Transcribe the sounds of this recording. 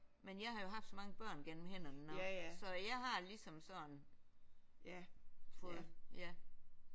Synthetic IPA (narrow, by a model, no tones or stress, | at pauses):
menjɑ̈ɪɦɑ̈jo̝ɦɑ̈fd̥sɒ̽mɑ̈ŋəb̥ɶɐ̰nɡ̥en̰m̩henɐnənsɒ̽jɑ̈ɪɦɑ̈lisɒ̽msɒ̽n | fɔːðð̩ˠjæ